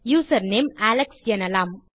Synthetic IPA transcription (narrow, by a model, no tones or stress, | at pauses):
juːsɐɾneːmæːlɛksjɐnɐlaːm